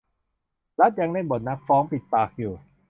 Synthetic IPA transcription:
la˦˥t̪̚ja˧ŋda˥˩jbo˨˩t̪̚na˦˥k̚fɔː˦˥ŋpi˨˩t̪̚paː˨˧˩k̚juː˨˩

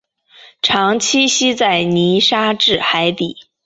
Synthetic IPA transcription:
ʈ͡ʂʰɑ˧˥ŋt͡ɕʰi˥ɕi˥t͡sa˥˩ɪni˧˥ʂa˥ʈ͡ʂɻ̩˥˩xa˧˥ɪt̪i˨˩˦

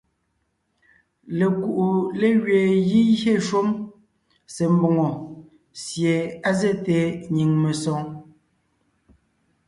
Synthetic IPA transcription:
le˨ku˨ʔu˨le˦ɣɥeː˨ɣi˦jje˦˨ʃwo˦m | se˨m̩˨bɔ˨ŋɔ˨ | sje˨a˦ze˦te˨ɲi˨ŋme˨sɔ˨˦ŋ

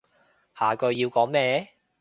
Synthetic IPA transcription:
haː˨kɵ˧ɥjiː˧wkɔː˨˥ŋmɛː˧˥

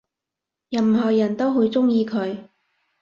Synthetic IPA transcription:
jɐ˨˩mɦɔː˨˩jɐ˨˩nt̪o˥wɦu˨˧jt͡sʊ˥ŋjiː˧kʰɵ˨˧ɥ

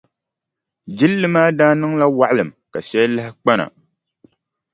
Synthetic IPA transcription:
d͡ʒi˦lːɨ˦maː˦daː˦nɨ˦ŋla˦wa˦˨ʔlɨ˨mka˨ʃɛ˦jlɨ˦hɪ˦k͡pa˦na̰˨

